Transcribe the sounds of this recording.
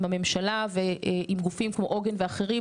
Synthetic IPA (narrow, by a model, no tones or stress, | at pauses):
mame̞mʃalaveʔimɡufimkmo̞ʔoɡenveaχeʁi